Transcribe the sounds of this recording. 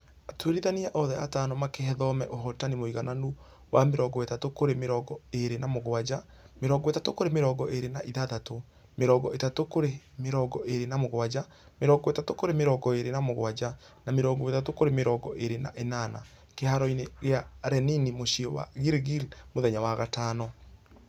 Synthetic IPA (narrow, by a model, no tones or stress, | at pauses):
atweɾiðaniaʔɔðɛataːnɔmakeɦɛðɔmɛʔoɦɔtanimoiɣananu | wameɾɔɡɔetatokoɾemeɾɔɡɔeɾenamoɣwad͡ʑa | meɾɔɡɔwetatokoɾemeɾɔɡɔʔeɾenaʔiðaðato | meɾɔɡɔʔetatokoɾemeɾɔɡɔʔeɾenamoɣwad͡ʑa | meɾɔɡɔetatokoɾemeɾɔɡɔeɾenamoɣwad͡ʑa | nameɾɔɡɔetatokoɾemeɾɔɡɔʔeɾena̰ʔenana̰ | kehaɾɔineɣeaɾɛninimoʃiɔwa̰ɣiɾɣilmoðɛɲawaɣataːnɔ